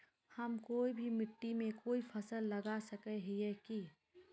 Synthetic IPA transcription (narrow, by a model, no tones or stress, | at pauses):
hɐmkoːibʱimɪʈːimẽkoːifʰɐsəlːɐɡasɐkeɦieki